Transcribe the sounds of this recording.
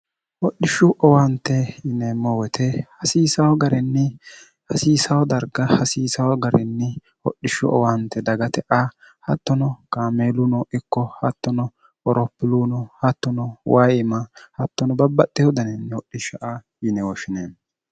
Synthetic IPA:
wɔɗːɪʃʊʔɔwɐnt̪ːɛjɪnɛmɔwɛt̪ʰɛhɐsiːsɐwɔɡɐɾɛnːɪ | hɐsiːsɐwɔd̪ɐɾɡɐhɐsiːsɐwɔɡɐɾɛnːɪ | wɔ̰ɗːɪʃʊʔɔ̰wɐnt̪ːɛd̪ɐɡɐt̪ɛʔa | hɐt̪ːɔnɔkaːmeːlʊnɔʔɪkːɔhɐt̪ːɔnɔ | ɔɾɔpːɪlunɔhɐt̪ːɔnɔwajɪmɐhɐt̪ːɔnɔbɐbːɐtːɛjɔd̪ɐnɛnːɛwɔɗɪʃɐʔajɪnɛwɔʃɪneːn

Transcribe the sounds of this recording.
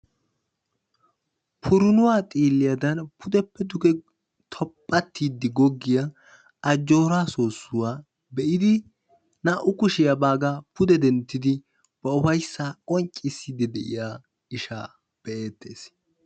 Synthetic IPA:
pʰʊɾʊnʊwaːt̪ʼiːlːɪjɐd̪ɐnpʰʊd̪ɛpːɛd̪ʊɡɛ | t̪ʰɔpʼːɐt̪ʰːiːd̪ːɪɡɔɡːɪjɐ | ɐd͡ʒːo̞ːɾaːso̞ːsːʊwaː | bɛʔɪd̪ɪ | nɐʔʊkʊʃɪjɐbaːɡapʊd̪ɛd̪ɛnt̪ːɪd̪ɪ | b̥ɐʊfɐjsːaːkʼɔnt͡ʃʼːɪsːid̪ɪd̪ɛʔɪ̰jaː | ɪʃa̰ː | b̥ɛʔe̞ːt̪ʰːe̞̰ːs

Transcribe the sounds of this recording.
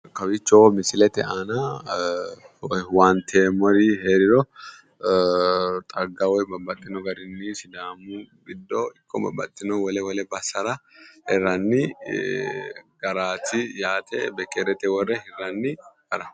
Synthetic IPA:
kɐwɪt͡ʃːɔmɪsɪlɛt̪ɛʔanɐ | want̪ʰeːmɔɾɪheːɾɪɾɔ | t̪ʼɐɡːɐwɔjbɐbːɐt̪ʼːɪnɔɡɐɾɪnːɪsɪd̪aːmʊɡɪd̪ːɔɪkʼːɔbɐ̰bːɐ̰t̪ʼːɪnɔwɔlɛwɔlɛbɐsːɐɾɐhɛɾːɐnːɪ | ɡ̥ɐɾaːt̪ɪjaːt̪ʰɛ̰bɛkʼːɛɾɛt̪ʼɛwɔrːɛhɛrɐnːɪ | ɐɾɐ

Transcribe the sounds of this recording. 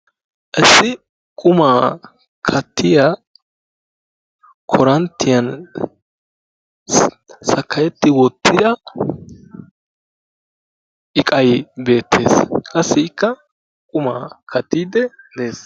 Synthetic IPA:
ʔɛsːɪ | kʼʊmaː | kʰɐt̪ʰːɪja | kʰɔɾɐnt̪ːɪjɐn | sɐkʰːɐjɛt̪ːɪwɔt̪ːɪd̪ɐ | ʔɪkʼɐjbe̞ːt̪ːe̞̰ːskɐsːɪɪkːɐ | kʼʊmaːkʰɐt̪ːiːd̪ɛ | d̪eːs

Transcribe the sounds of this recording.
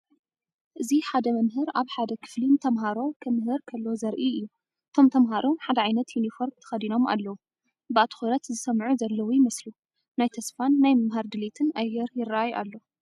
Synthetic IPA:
ʔɨziħad̪ɐmɐmɦɨɾaβħad̪ɐkʰɨ̥flint̪ʰɐmɦaɾo̞kʰɐmɦɨɾkʰɐlːo̞zɐɾʔiɨjːu | ʔɨt̪ʰo̞mt̪ʰɐmɦaɾʔomħad̪ɐʕajnɐt̪junifo̞ɾmt̪ʰɐ̥xɐd̪ino̞mʔa̰lːɐwu | bɨat̪ʰxuɾɐt̪zɨsɐmʕuzɐlːɐwujɪmɐslu | najt̪ʰɐsfanːajmɐmɦaɾd̪ɨlit̪ʰɨnʔajːɛɾjɪrːaʔajʔa̰lːo

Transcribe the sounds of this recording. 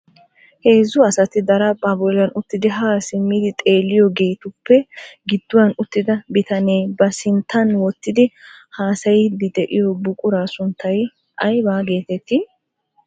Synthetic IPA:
he̞ːzʊɐsɐt̪ɪd̪ɐɾɐpʼɐːbɔlɐnʊt̪ːɪd̪ɪɦaːsɪmːɪd̪ɪt̪ʼe̞ːlːɪjɔɡe̞ːt̪ʊpːɛɡɪd̪ːʊwɐnʊt̪ːɪd̪ɐbɪt̪ɐne̞ːbɐsɪnt̪ʰːɐnwɔt̪ːɪd̪ɪhaːsɐjɪd̪ɪd̪ɛʔɪjɔbʊkʼʊɾaːsʊnt̪ʰːɐj | ʔɐjbaːɡe̞ːt̪ɛt̪ːɪ

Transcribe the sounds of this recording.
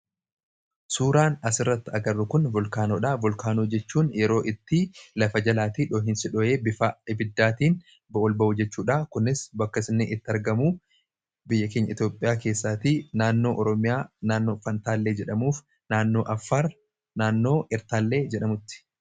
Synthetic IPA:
suːɾaːnɐsɪrːɐt̪ːɪɐɡɐrːʊkʊnvɔlkaːnɔᶑaːvɔlkaːnuːd͡ʒɛt͡ʃːuːnjɛɾo̞ːʔɪt̪ːɪlɐfɐd͡ʒɐlaːt̪iːᶑoːɦɪnsɪᶑɔje̞ːbɪaɪbɪd̪ːaːt̪iːn | bɐɔlbɐʔud͡ʒɛt͡ʃːuːᶑaːkʊnːɪsbɐkːɐsɪnːeːʔɪt̪ːɪɐɾɡɐmuː | bɪjːɐke̞ːɲːɐ̰ɪt̪joːpʼːɪjaːke̞ːsːaːt̪iːnaːnːo̞ːʔɔɾɔmɪjaːnaːnːo̞ːfɐnt̪aːlːe̞ːd͡ʒɛᶑɐmuːf | naːnːo̞ːʔɐfːaːɾ | naːnːo̞ːʔɪɾt̪aːlːe̞ːd͡ʒɛɗɐmʊt̪ːɪ̥

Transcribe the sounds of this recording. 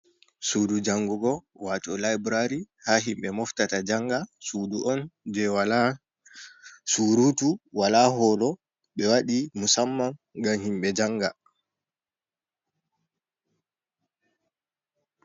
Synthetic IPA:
sudud͡ʒaŋɡuɡɔwatɔlajbɾaɾi | haːɦimɓɛmɔftatad͡ʒaŋɡasuːduʔɔnd͡ʒɛwa | suːɾutuwalaːɦɔlɔ | ɓɛwaɗimusamːanɡamhimɓɛd͡ʒaŋɡa

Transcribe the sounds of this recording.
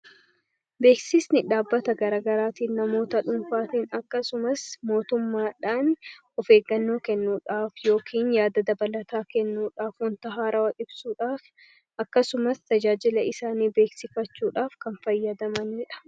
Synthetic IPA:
be̞ːksɪsnɪᶑaːbːɐt̪ɐɡɐɾaːɡɐɾaːt̪iːnnɐmo̞ːt̪ɐᶑʊnfaːt̪iːnɐkːɐsʊmɐsmo̞ːt̪ʊmːaːᶑaːn | ɔfe̞ːɡɐnːo̞ːkɛnːuːᶑaːfjo̞ːkʰiːnjaːd̪ɐd̪ɐbɐlɐt̪aːkɛnːuːᶑaːfʊnt̪ɐɦaːɾɐwɐʔɪbsuːᶑaːf | ʔɐkːɐsʊmɐst̪ɐd͡ʒaːd͡ʒɪlɐʔɪsaːniːbe̞ːksɪfɐt͡ʃːuːᶑaːfkɐnfɐjːɐd̪ɐmɐniːᶑɐ̥

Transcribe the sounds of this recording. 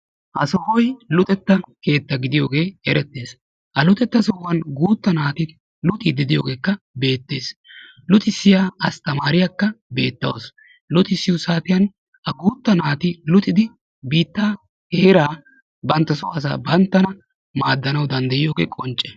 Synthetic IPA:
ʔɐsɔhɔjlʊt̪ʼɛt̪ːɐke̞ːt̪ːɐɡɪd̪ɪjo̞̰ːɡe̞ːɛɾɛt̪ːe̞ːs | ʔɐlʊt̪ʼɛt̪ːɐsɔhʊwɐnɡuːt̪ːɐnaːt̪ɪ | lʊt̪ʼid̪ɪd̪ɪjo̞̰ːɡe̞ːkːɐ | be̞ːt̪ːe̞ːs | lʊt̪ʼɪsːɪjaːɐst̪ɐmaːɾɪjakːɐbe̞ːt̪ːɐw̰s | lʊt̪ʼɪsːɪwʊsaːt̪ɪjɐn | ʔɐɡuːt̪ːɐnaːt̪ɪlʊt̪ʼɪd̪ɪ | biːt̪ːaː | heːɾaː | bɐnt̪ːɐsɔɐs̬a̰ːbɐnt̪ːɐnɐ | maːd̪ːɐnɐwd̪ɐnd̪ɐjɪjo̞ːɡḛːkʼɔnt͡ʃʼːɛ̥

